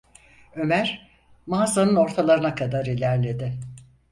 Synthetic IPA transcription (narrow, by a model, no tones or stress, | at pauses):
ø̞mæɾ̥ | maːzanɯno̞ɾt̪ʰalˠaɾɯnakʰad̪aɾilʲæɾlʲe̞d̪ɪ